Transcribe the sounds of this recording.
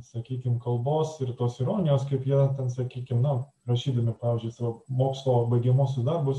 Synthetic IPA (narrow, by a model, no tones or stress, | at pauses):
sɐkʲiːkʲɪmkɐlˠboːsɪrt̪oːsɪɾoːnʲɪjoːskɐɪpjinɐt̪ʲɛnsɐkʲiːkʲɪmnʊ | ɾɐʃʲiːd̪ɐmʲɪpɑːʋʲɪːzʲd͡ʒʲʊɪsɑːʋɐmoːkslˠobɐɪɡʲɛmoːsʲʊsd̪ɐrbʊs